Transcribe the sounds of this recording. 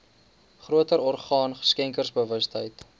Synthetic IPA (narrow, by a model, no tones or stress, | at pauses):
χruətəɾɔrχɑːnχə̥skɛŋkərsbəvəstɦəjt